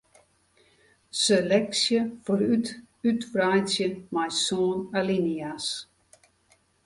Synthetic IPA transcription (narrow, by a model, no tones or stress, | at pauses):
selɛksjəfoɾyt | ytʋrajsjəmajsoːnalinias